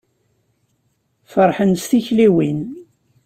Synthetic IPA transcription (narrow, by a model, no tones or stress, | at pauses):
fəɾˤħənsθiçliwin